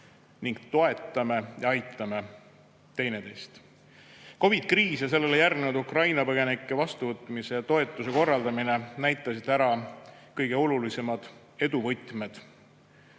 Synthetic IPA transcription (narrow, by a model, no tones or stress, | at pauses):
niŋɡ̥t̪o̞e̞t̪ˑːɑmejɑɑjt̪ˑːɑme̞ | t̪e̞jned̪e̞jst̪ | ko̞vid̪̥kriːsjɑs̬e̞lːe̞lejærɡnud̪ukrɑjnɑpɤɡ̥e̞nikːˑevɑst̪uvɤt̪ːˑmise̞jɑt̪o̞e̞t̪ːˑuse̞ko̞rːɑld̪ɑminenæjt̪ˑːɑsid̪̥æɾɑkɤjɡ̥e̞o̞lulise̞mɑd̪̥ | e̞d̪̥uvɤjt̪ˑme̞d̪̥